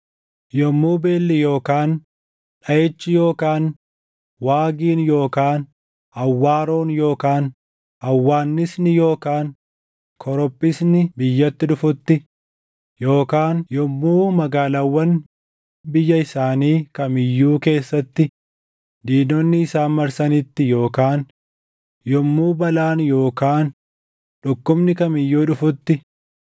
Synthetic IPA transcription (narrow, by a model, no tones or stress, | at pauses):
jɔmːuːbe̞ːlːɪjo̞ːkaːn | ᶑɐjɛt͡ʃːɪjo̞ːkaːn | waːɡiːnjo̞ːkaːn | ɐwːaːɾo̞ːnjo̞ːkaːn | ɐwːaːnːɪsnɪjo̞ːkaːn | kʰɔɾɔpʼːɪsnɪbɪjːɐt̪ːɪᶑʊfʊt̪ːɪ | jo̞ːkaːnjɔmːuːmɐɡaːlawːɐn | bɪjːɐɪsaːniːkɐmɪjːuːke̞ːsːɐt̪ːɪ | d̪iːnɔnːɪːsaːnmɐɾsɐnɪt̪ːɪjo̞ːkaːn | jɔmːuːbɐlaːnjo̞ːkaːn | ᶑʊkːʊbnɪkɐmɪjːuːᶑʊfʊt̪ːɪ